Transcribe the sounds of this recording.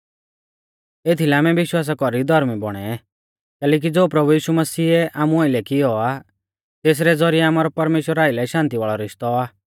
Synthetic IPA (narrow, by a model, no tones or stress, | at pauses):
et̪ʰilɛaːmɛʋɪʃwaːs̬akɔɾid̪ʱɔɾmibɔɽ̃ɛ | kɛːlɛːk̬id͡zoːpɾɐbujiːʃumɐsiːɛʔaːmũaɪlɛkɪjɔa | t̪eːs̬ɾɛd͡zɔɾijɛaːmaːɾɔpɐɾmeːʃwəɾaːɪlɛʃãːnt̪iʋaːɭɔɾɪʃt̪ɔaː